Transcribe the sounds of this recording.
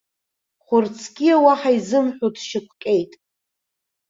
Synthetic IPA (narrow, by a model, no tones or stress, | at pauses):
χʷʊrt͡sʰkʲʼiawaħaizɨmħʷᶣotʰʃɪkʷʰkʲʼejtʼ